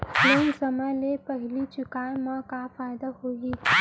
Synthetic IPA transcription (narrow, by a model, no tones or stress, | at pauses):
lensəməlepəɦɪlit͡ʃʊkaːjmãkafaːjd̪aɦoːɡiː